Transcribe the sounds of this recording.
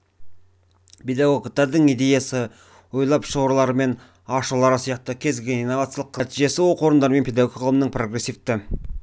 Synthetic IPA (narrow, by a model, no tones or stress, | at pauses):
pʰʲe̞d̪aɡoɡt̪ːɑɾd̪əɴid̪e̞jasə | wo̞jlˠɑpʃowɾlˠɑɾəme̞n | ɑʃəlˠɑɾəsijɑq̚t̪əkʲʰe̞zɡʲeninːo̞vat̪sijɑlˠəqʰːət̪iʒe̞sɪwoqʰo̞ɾənd̪ɑɾəme̞npʰʲe̞d̪aɡoqʰəlˠəmnəɴpro̞ɡre̞sːift̪ɪ